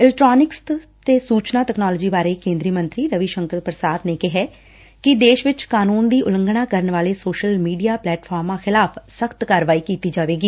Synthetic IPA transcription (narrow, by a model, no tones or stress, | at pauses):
ɪlɛʈɾaːnɪkst̪eːsuːt͡ʃnaːt̪ɛːknaːlɔːd͡ʒiːbaːɾeːkẽːnd̪ɾiːmə̃nt̪ɾiːɾəʋiʃə̃ŋkəɾpɾəsaːd̪neːkɪɦɛː | kɪd̪eːʃʋɪt͡ʃkaːnuːnd̪iːʔʊlə̃ŋɡɽ̃ãːkəɾənʋaːleːsoːʃəlmiːɖijaːplɛːʈpʰaːɾmãːxɪlaːpʰsəkʰt̪kaːɾʋaːiːkiːt̪iːd͡ʒaːʋeːɡiː